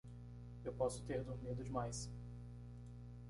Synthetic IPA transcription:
ewpɔsʊ̥t̪eɾd̪ʊɾmid̪ʊd͡ʒɪmajs

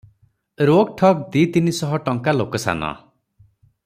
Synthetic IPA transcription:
ɾoɡ̚ʈʰɔkd̪it̪inisɔɦɔʈɔŋkalokɔsa̰nɔ̰

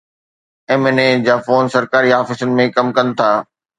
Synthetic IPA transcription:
eːmened͡ʑaːfoːnsɐɾkaːɾiaːfɪsʊnɪ̆mẽkɐmkɐnɪ̆t̪ʰaː

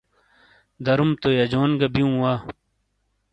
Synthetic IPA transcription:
d̪ɐɾumt̪ojɐd͡ʑoːnɡɐbiũwa

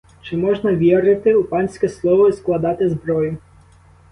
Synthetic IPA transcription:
t͡ʃɪmɔʒnɐʋʲiɾɪt̪ɪupɑnʲsʲkɛslˠɔʋɔisklˠɐd̪ɑt̪ɪzbɾɔjʊ

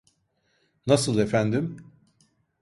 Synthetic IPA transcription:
nasɯlˠe̞fænd̪im

